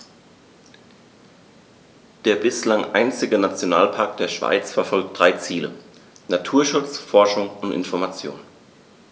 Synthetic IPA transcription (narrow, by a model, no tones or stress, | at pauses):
d̥eːɐbɪslaŋʔa̰ɪnt͡sɪɡənat͡sjona̰ːlpʰaɐk̚d̥eːɐʃv̥a̰ɪt͡sfɛɐfɔlk̚t̚d̥ʁaɪt͡siːlə̰ | natʰuːɐʃʊt͡sfɔɐʃʊŋʊntʔɪ̰nfɔɐmat͡sjo̰ːn